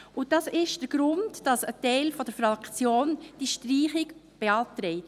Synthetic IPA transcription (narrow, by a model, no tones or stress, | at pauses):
ʊd̥ɑsɪʃd̥əɾɡ̥ɾʊndd̥ɑsətɛɪlfɔd̥əɾfɾɑkt͡sjoːnd̥iʃtriːχɪkb̥eɑːtɾɛɪt